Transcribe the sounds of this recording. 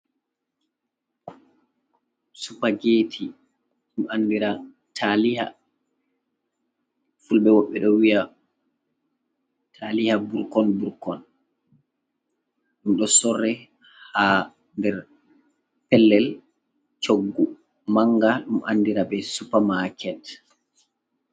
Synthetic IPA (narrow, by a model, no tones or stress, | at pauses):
supaɡeːtʰi | ɗumanːdiɾa | tʰaliha̰ | fulɓɛwɔɓːɛɗɔwija | tʰaːlihabuɾkɔnbuɾkɔn | ɗumɗɔsɔrːɛ | ha | ndɛɾ | pɛlːɛl | t͡ʃoɡːu | maŋɡaɗumʔa̰nːdiɾabɛsupamakʰɛt